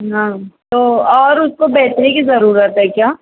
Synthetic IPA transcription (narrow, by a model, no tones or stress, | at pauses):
ɦãːt̪oːɔːɾʊskobɛːt̪ɾikizɐɾuːɾət̪ɦɛkjaː